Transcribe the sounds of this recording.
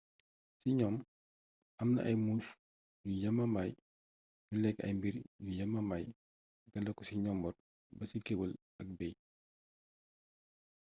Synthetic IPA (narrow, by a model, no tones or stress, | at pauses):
siɲɔːm | ʔɐmnɐ̰ʔɐjmuːf | jujɐmːɐmaj | julɛkːɐ̰jmbiɾjujɐmːɐmaj | ɡɐlːɐkɔsiɲɔmbɔr | bɐsikewul | ɐk̚bɛj